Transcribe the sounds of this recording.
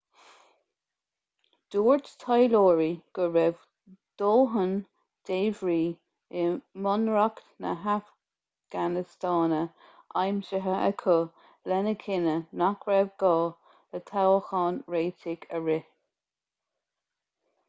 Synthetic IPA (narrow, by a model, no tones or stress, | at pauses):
d̪̥uːɹt̪tʰajloːɹiɡ̥əɹɛv | d̪̥oːɦən | d̪̥eːvɹiː | ɪmɔnɹaktnə̰ɦaf | ɡ̥anɪstɑːnə | ʔajmʃəɦəʔə̰kʰʊ | lɛnəkʰɪnənakʰɹɛvɡɑː | lət̪ʰawəxɑːnɹeːtʰɪɡəɹɪ